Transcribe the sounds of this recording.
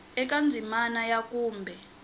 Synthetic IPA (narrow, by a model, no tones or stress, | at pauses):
ɛk̬ʼand͡zʱimanajakʼuːmbʱɛ